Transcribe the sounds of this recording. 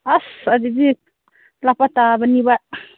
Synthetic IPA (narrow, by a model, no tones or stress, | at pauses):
asadidi | lapatabaniba